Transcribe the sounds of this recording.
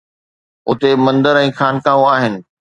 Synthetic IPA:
ʊt̪emɐ̃nd̪əɾɛ̃ːxaːnkaːʋũaːɦɪnɪ̆

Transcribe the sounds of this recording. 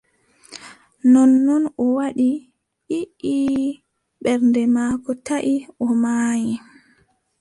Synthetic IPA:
nɔnːɔnɔwaɗi | ʔiʔi | ɓɛɾndɛmaːkɔtaʔiʔɔmaːji

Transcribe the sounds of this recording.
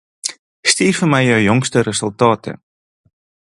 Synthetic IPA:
stiːrfərmɛjjœwjɔŋstəɾəsɵlˠtɑːtə̰

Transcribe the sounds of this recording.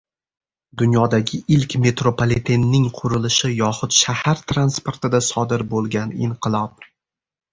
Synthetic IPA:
d̪ʊnjɒd̪aɡʲɪɪlkʲme̞t̪ɾopʰolˠit̪ʰe̞nːɪŋqʰʊɾɪlɪʃɪjɒχʊt̪ʃahaɾt̪ʰɾanspoɾt̪ɪd̪asɒd̪ɪɾbolˠɡʲanɪ̰ɴqɨlˠɒp̚

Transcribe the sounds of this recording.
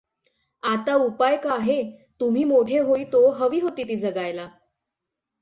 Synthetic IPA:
at̪aupajkaːɦet̪um̤iːmoʈʰeɦoit̪oɦəʋiːɦot̪iːt̪iːd͡zəɡajla

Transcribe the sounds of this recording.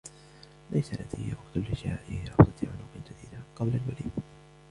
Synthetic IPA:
lajsaʔa̰d̪ɪwɑqt̪ʊlːɪʃʕaːʔɪhɪɾˤɑft̪ˤɑt̪ʕʊlʊqɨnd͡ʒad̪iːd̪aqɑblalwalḭːd

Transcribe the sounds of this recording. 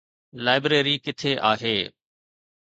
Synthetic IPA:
laːɪbɾeːɾiːkɪt̪ʰeːʔaːɦeː

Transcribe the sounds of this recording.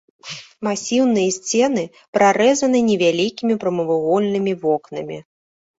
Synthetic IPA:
masʲiwnɨjɐsʲt͡sʲɛnɨ | pɾʔaɾɛzɐnɨnʲɛvʲalʲikʲimʲipɾɐmɨvɨɣɔlʲnɨmʲivɔknɐmʲḭ

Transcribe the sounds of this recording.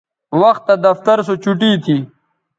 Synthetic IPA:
wɐxt̪ːad̪ɐft̪ɐɾsot͡ʃuʈit̪ʰi

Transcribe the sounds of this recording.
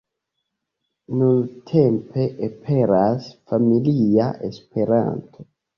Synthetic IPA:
nunt̪ʰempʰeʔepʰeɾasfamiliaʔespeɾa̰nt̪ʰo

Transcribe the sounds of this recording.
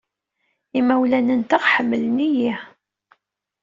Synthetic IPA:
imæwlænənt̪aʁħəmːələniji

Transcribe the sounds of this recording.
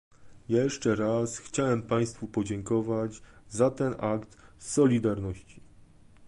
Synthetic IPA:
jɛʂt͡ʂɛɾasxt͡ɕawɛmpaj̃st̪fupɔd͡ʑɛŋkɔvad͡ʑzat̪ɛnʔakt̪sɔlʲid̪aɾnɔɕt͡ɕi̥

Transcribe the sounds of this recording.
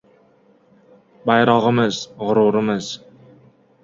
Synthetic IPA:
bajɾɒʁəmɪzʁʊɾuɾɪmɪz̥

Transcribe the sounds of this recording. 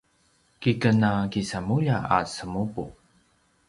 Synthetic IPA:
kikənakisamuʎaa̰səmupu

